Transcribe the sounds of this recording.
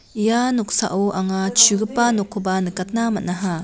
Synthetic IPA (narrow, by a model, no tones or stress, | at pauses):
ijanɔk̚sa̰ʔuʔaŋat͡ʃʰuɡɯpanɔkʰːubanɯkat̪̚namatnaɦa